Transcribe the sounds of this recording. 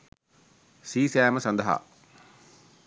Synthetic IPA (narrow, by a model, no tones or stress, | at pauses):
siːsæːməsɐnd̪ɐɦa̰